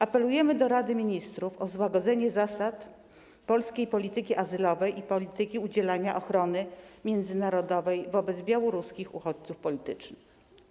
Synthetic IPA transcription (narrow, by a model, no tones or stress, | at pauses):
apɛlujɛmɘd̪ɔɾad̪ɘmʲiɲist̪ɾufɔzwaɡɔd̪zɛɲɛzasat̪ | pɔlskʲejpɔlʲit̪ɘkʲiʔazɘlɔvɛjʔipɔlʲit̪ɘkʲiud͡ʑɛlaɲaʔɔxɾɔnɘmʲjɛnd̪zɘnaɾɔd̪ɔvɛjvɔbɛd̪zbʲjawɔɾuskʲixuxɔt͡ɕt̪sufpɔlʲit̪ɘt͡ʂnɘx